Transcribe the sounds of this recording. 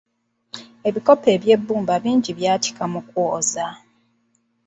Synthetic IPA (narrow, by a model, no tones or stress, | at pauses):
e̞βiko̞pe̞ːβje̞bːuːmbaβiːɲɟiβjaːti̥kamukwoːza